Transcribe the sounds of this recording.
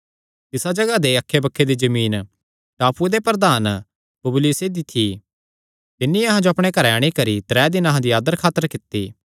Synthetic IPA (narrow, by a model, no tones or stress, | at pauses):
t̪ɪsad͡ʒɐɡad̪eɐkʰːebɐkʰːed̪id͡ʒɐmiːn | ʈaːpued̪epɾəd̪aːn | pɐbʊluːsed̪it̪ʰi | t̪ɪnːiɐɦãd͡ʒoɐpɽ̃ekɐɾɛːɽ̃ikɐɾit̪ɾɛːd̪ɪnɐɦãd̪iaːd̪əɾkʰaːt̪əɾkɪt̪ːiː